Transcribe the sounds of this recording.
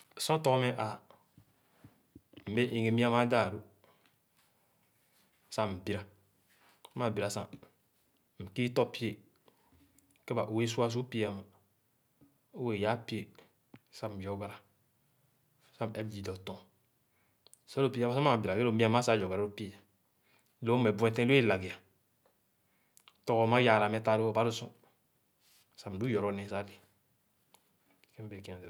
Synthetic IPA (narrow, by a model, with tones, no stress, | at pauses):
sɔ̃˦tɔ˦kme˦ʔa˨ | m̩˨be˦ʔĩ˨ŋe˨mi˦a˦ma˦da˦˨ɾu˦ | sa˦m̩˨bi˦ɾa˨˦ | ma˨bi˨ɾa˨sa̰˨ | m̩˨ki˦tɔ˦pi˦e˨ | ke˦ba˨ʔo˨we˦su˦a˦s̬u˦pi˦a˨ma˨ | o˦we˨ja˦pi˦e˦˨ | sa˦m̩˨d͡ʒɔ˦ɡa˦ɾa˨ | sa˦m˨ɛ˦bd͡ʒi˨dɔ˨tɔ̃˨ | sa˦lo˦˨pi˦a˦ma˦a˦m˦˨bi˨ɾa˨ɡe˦o˨mi˦a˦ma˦sa˦d͡ʒɔ˨ɡa˨ɾa˦ɾo˦pe˦ja˨˦ | lo˦mɛ˨bu˨˦ɛ̃˨tɛ̃˦lo˦e˦˨la˨ɡi˨a˨ | tɔ˨kɔ˨˦ma˦ja˨ɾa˨mɛ˨˦ta˨ɾi˦ɔ˦ba˦ɾu˦sṵ̃˦˨ | sa˨m˨du˦jɔ˨ɾɔ˨˦nɛ̃˨˦sa˦li˨ | kɛ˦be˨kĩ˨˦a˨